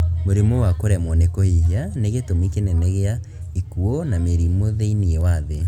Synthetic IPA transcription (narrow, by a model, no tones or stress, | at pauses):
moɾemwowakoɾɛmɔnekɔiɦianeɣetomikenɛnɛɣea | ikuonameɾimoðeiniɛwaðe